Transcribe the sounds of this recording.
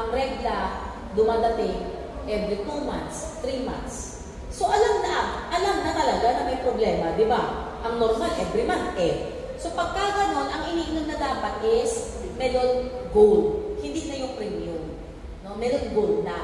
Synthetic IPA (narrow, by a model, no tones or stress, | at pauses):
ʔɐŋɾɛɡlɐ | d̪ʊmad̪ɐt̪ɪ | ʔɛbɾɪt̪umant̪st̪ɾima̰nt̪sː | o̞ʔɐlamnɐʔɐʔɐlamnɐt̪ɐlɐɡanɐmɐjpɾoblɛːmɐd̪ɪba | ʔɐŋno̞ɾmalʔɛbɾɪmant̪ʔɛ | so̞pɐɡ̚kaɡɐno̞nʔɐŋʔɪniːʔnomnɐd̪aːpɐt̪̚ʔɪs | mɛd̪olɡolhɪnd̪iːnɐjoŋpɾɛmjʊn | no̞mɛɾonɡolnɐ